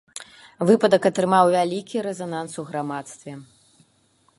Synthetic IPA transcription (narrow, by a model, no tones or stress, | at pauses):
vɨpɐd̪ɐkɐt̪ɾɨmawvʲalʲikʲiɾɛzanansuɣɾamat̪st̪vʲɛ